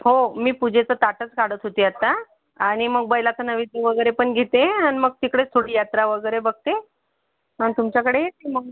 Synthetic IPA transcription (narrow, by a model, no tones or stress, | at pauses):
homiːpud͡ʑʱet͡sət̪aʈət͡skaɽət̪ɦot̪iːat̪a | aɽ̃iməɡ̚bəjlat͡sənəʋit̪əʋəɡəjɾepəɳɡʱet̪eañiməɡ̚t̪ikɽet̪ʰoɽiːjat̪ɾaʋəɡəjɾebəɡ̚t̪e | anit̪umt͡ɕakəɽejeiməɡ